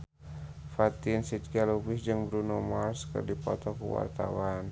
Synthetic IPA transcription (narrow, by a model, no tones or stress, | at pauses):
fat̪insit̪̚kalubɪsd͡ʒəŋbɾunomarskə̰rdipɔt̪ɔkəwa̰rt̪a̰wan